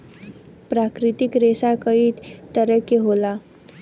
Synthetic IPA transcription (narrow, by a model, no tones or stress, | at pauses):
pɾakɾit̪ikɾesakəiːt̪t̪əɾəkjeɦola